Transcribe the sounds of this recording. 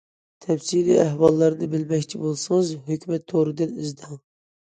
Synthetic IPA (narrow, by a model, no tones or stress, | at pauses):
t̪ʰɛpsilḭæhwɑlˠːɑɾɨnɨbɪlmɛkʲt͡ʃʰibolˠsɨŋɨzɦøkʲʰmɛt̪ʰːoɾɨd̪ɨnizd̪ɨŋ